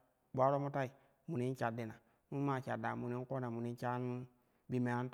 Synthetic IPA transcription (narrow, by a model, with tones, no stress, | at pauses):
bʷa˦ɾo˦mu˦ta˦i˨ | mu˨ni˦n˦t͡ʃa˨di˨na˨ | nu˦ma˦˨t͡ʃa̰˨da˨mu˨ni˦n˦ko˦na˨mu˨ni˦n˦t͡ʃa˦n˦ | bi˨me˨ja˦n˦t